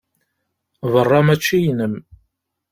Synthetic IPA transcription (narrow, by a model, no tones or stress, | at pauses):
vərˤːɑmæt͡ʃːijnəm